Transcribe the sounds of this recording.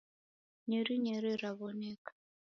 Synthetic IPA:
ɲeɾiɲeɾiraβoneːkḁ

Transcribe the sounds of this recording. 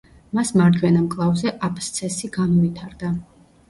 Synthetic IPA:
masmaɾd̪wɛnamkʼlˠavzɛʔapʰst̪sʰɛsiɡanɔvit̪ʰaɾd̪a

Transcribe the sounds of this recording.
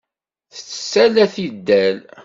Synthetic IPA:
θə̥t͡sːə̥sːælæθid̪ːæl

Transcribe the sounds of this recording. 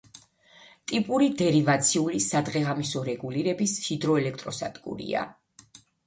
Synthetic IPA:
t̪ʼipʼuɾid̪ɛɾivat̪sʰiulisad̪ʁɛʁamisɔɾɛɡuliɾɛbisʃid̪ɾɔɛlɛk̚ʰt̪ʼɾɔsad̪̥ɡʼṵɾḭa̰

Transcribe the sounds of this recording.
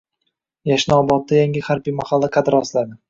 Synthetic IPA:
jaʃnɒbɒt̪̚ːajaŋʲɪχaɾbijmahalːaqʰɑd̪ɪɾɒslad̪ɪ

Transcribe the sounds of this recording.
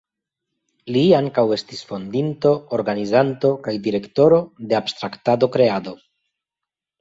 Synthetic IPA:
liaŋkawe̞stisfo̞ndinto̞ːɾɡanizanto̞kajdiɾe̞kto̞ɾo̞de̞abst̪ɾaktado̞kɾe̞ado̞

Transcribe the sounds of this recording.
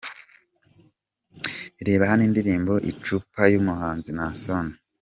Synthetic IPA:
iɾe̞ːβahaniːndiɾiːmbo̞ʔḭt͡ʃupajumuɦaːnzinasoni

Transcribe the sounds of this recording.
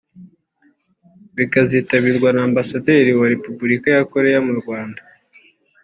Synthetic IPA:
βikaziːtaβiɾɡwanaːmbasade̞ːɾiwaɾe̞pubuɾikajako̞ɾe̞jamuɾɡwaːnda

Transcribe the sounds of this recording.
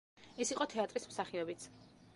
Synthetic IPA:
ɛsiqʼɔt̪ʰɛat̪ʼɾismsaχiɔbit̪sʰ

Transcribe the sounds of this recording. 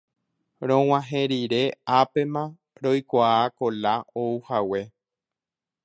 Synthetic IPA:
ɾõ̞w̃ãɦẽɾiɾe̞ape̞mã | ɾo̞jkʷaako̞laouhawe̞

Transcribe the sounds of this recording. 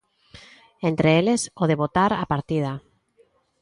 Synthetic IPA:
ent̪ɾeelesoðeβot̪aɾapaɾt̪ið̞a

